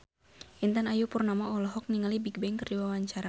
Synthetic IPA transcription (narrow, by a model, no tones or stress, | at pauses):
ʔint̪anajupurnamaɔlɔɦɔk̚niŋalibiɡ̚bɛŋkərdiwawaɲt͡ʃaɾa